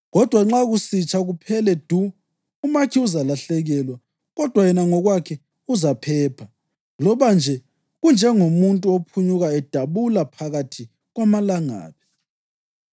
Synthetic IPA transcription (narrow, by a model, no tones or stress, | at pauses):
ɣɔd̥ʱwaŋ͡ǁaɣusit͡ʃʰʼaɣupʰɛlɛd̥ʱu | umakʰiuzalaɬɛɣɛlwa | ɣɔd̥ʱwajɛnaŋɔɣwakʰɛ | uzapʰɛːpʰa | lɔβand͡ʒʱɛ | ɣund͡ʒʱɛŋomuntʼuopʰuɲuɣaɛd̥ʱaβulapʰaɣatʰi | ɣwamalaŋa̰ːpi̥